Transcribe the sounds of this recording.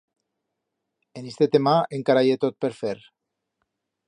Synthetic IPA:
enist̪et̪emaeŋkaɾajet̪ot̪̚peɾfeɾ

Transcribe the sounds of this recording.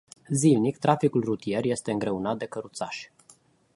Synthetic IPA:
zilnikt̪ɾafikulrut̪ie̞rje̞st̪e̞ɨŋɡɾe̞unat̪̚d̪e̞kəɾut̪sa̰ʃ

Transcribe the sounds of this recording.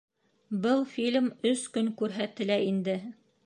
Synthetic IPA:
bɤlˠfʲilʲmɵskɵŋkʉɾɦæt̪ːɘ̆læind̪ɘ

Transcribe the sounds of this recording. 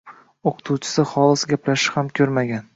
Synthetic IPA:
oqʰɨ̥t̪ʰuwt͡ʃʰɪ̥sɪχɒlˠɪsɡʲaplaʃɪ̥hamkʲʰɵɾmaɡʲan

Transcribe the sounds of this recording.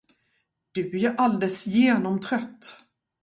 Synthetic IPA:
d̪̥ɵæʔald̪ɛlsjeːnɔmt̪ʰɾœt̪ː

